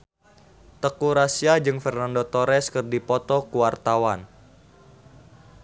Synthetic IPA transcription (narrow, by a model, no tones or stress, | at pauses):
t̪əkuɾasiad͡ʒɨŋfɛrnandot̪ɔɾɛskɨrdipɔt̪ɔkuwart̪awan